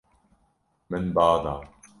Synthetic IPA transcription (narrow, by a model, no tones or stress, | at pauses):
mɪnbɑːd̪ˤɑː